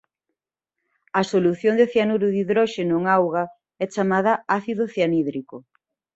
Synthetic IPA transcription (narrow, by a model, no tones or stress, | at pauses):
ɐsoluθjoŋd̪eθjanuɾuðiðɾɔʃenʊŋawɣa | ɛt͡ʃamað̞ɐaθiðoθjaniðɾiko